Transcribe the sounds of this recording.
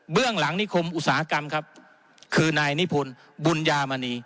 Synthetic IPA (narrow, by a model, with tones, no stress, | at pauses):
bɯ˥˩əŋla˩˦ŋni˦˥kʰo˧mʔu˧t̚saː˩˦ha˦˧˩ka˧mkʰa˦˥p̚ | kʰɯː˧naː˧jni˦˥pʰo˧n | bu˧njaː˧ma˧niː˧